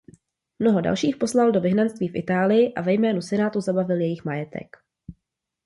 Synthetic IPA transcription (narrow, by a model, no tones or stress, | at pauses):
mno̞ɦo̞da̰lʃiːxpo̞slaldo̞vɪɦnanst̪viːfʔɪ̰t̪aːlɪjɪʔavɛjmɛːnusɛnaːt̪uzabavɪljɛjɪxmajɛt̪ʰɛ̰k